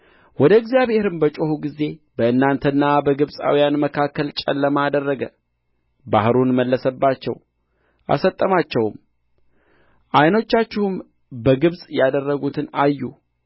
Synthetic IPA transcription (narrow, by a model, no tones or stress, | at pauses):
wɔd̪əɨɡzijaβhe̞ɾɨmbət͡ʃʼohuɡize̞bəɨnːant̪ʰənːabəɡɨβsʼa̰wijanməkʰakːəlt͡ʃʼə̰lːəmad̪ərːəɡə | bahɾunməlːəsəbːat͡ʃːɛ̰w | ʔa̰sət̪ʼːəmat͡ʃːɛwm | ʔajno̞t͡ʃːat͡ʃːɪhum | bəɡɨβsʼjad̪ərːəɡut̪ʰɨnajːu